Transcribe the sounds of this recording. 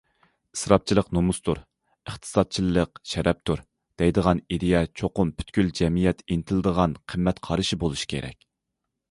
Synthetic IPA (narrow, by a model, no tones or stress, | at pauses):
ɨ̥sɾɑp̚t͡ʃʰilˠəqnomust̪uɾ | əχt̪ʰɨ̥sɑd̪̚t͡ʃʰilˠːəqʃɛɾʔɛp̚t̪ʰuɾ | d̪̥ɛjd̪əʁɑnid̪ijɛt͡ʃʰoqʊmpʰy̥t̪kʲyld͡ʒɛmijɛt̪inɪt̪ʰɪlˠɨd̪əʁɑnqʰəmːɛt̪qʰɑɾɨʃibolˠuʃi̥kʲʰḛɾɛ̰kʲ